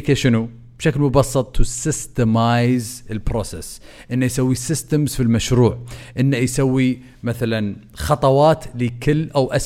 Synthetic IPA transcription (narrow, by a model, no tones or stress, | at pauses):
kaʃɪnu | b̥ʃaklmʊbɑsˤːɨt̪ˤːʊsɪst̪əmajzɪlbɾoːses | ʔɪnːajsawːisɪst̪amzfilmaʃɾuːʕʔɪnːajsawːi | maθalan | xɑt̪ˤɑwɑːt̪lɪkɪlːʔawʔas